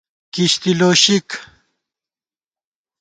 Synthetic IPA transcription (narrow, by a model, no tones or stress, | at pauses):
kɪʃt̪ɪloʃɪk